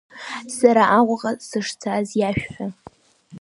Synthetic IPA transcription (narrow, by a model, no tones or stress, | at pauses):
saɾaʔaʁʷʊʁasɨʂt͡sʰazjaʃᶣfa